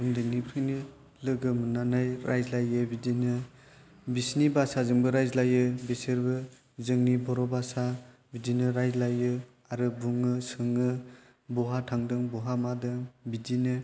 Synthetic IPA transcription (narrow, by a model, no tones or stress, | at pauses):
umdɯŋnipʰɾɯni | lɯɡɯmɯnanajɾajzlajɯbidinɯ | bisnibasazɯŋbɯɾajzlajɯbisɯɾbɯ | zɯŋnibɔɾɔbasa | bidinɯɾajzlajɯ | aɾɯbuŋɯsɯŋɯ | bɔɦatʰaŋdɯŋbɔɦamadɯŋbidinɯ